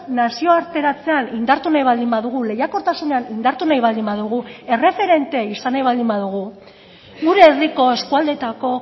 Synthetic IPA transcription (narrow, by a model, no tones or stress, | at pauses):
nasio̞aɾt̪e̞ɾat͡se̞anind̪aɾt̪unajβald̪imbaðuɣ̞ule̞jako̞ɾt̪asune̞anind̪aɾt̪unajβald̪imbaðuɣ̞ue̞re̞fe̞ɾe̞nt̪e̞isanajβ̞ald̪imbaðuɣ̞u | ɣuɾe̞ːriko̞e̞skuald̪et̪ako̞